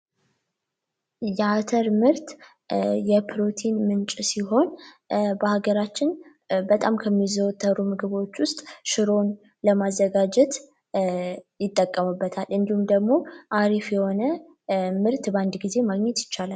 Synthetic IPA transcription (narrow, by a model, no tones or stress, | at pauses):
jɛat̪ʰəɾmɨɾt̪ | jɛpʰɾo̞t̪ʰinmɨnt͡ʃʼsiɦo̞n | bəhaɡəɾat͡ʃːɪn | bət̪ʼamkʰəmːizəwt̪ʰʼːəɾumɨɡɨβo̞t͡ʃːwʊst̪ʼʃɨɾo̞n | ləmazːəɡad͡ʒɛt̪ | jɪt̪ʼːəkʼːəmɨbːət̪ʰalɨnd̪ihumd̪əɡmo̞ʔaɾifjɛho̞nə | mɨɾt̪band̪ɡize̞maɡɲɛt̪jɪt͡ʃːalal